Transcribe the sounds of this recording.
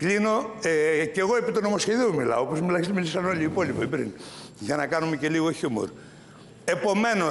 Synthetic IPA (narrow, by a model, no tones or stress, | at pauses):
klino̞eceɣo̞epit̪onomo̞sçeðiumilɐ̰oopo̞zmilɐçist̪emilisɐno̞ʎiipo̞lipoibɾḭn | ʝɐnɐkɐnumece̞liɣoçumo̰ɾ | e̞po̞me̞no̞